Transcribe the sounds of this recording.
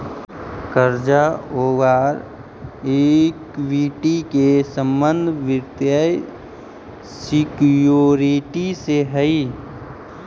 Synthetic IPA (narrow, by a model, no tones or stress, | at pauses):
kəɾd͡ʒaoːɡaːɾ | eːkʋiʈikesə̃mbə̃nd̪ʱʋɪɾd̪jaj | sɪkjoːɾiʈiseɦəi